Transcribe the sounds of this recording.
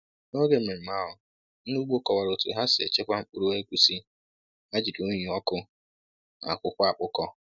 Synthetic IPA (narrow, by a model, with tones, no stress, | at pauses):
no˦ɡe˨˦˨me˨ma˦ɦʊ˨˦ | u˦ɡ͡bo˦kɔ˨wa˨ɾo˨tṵ˨ɦa˦sɪ˨e˨t͡ʃe˦kʷa˦ŋ͡m̩˦k͡pu˦ɾu˦e˦kʷu˨si˦ | a˦d͡ʒi˨du˦ɲi˨ɔ˦kʊ˦ | a̰˨kʷʊ˦kʷa˨k͡pʊ˦kɔ˦